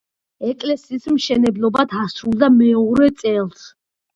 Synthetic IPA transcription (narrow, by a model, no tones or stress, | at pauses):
ɛkʼlɛsiːsmʃɛnɛblˠɔbad̪ʰasɾulˠd̪amɛɔɾɛt̪sʼɛlˠs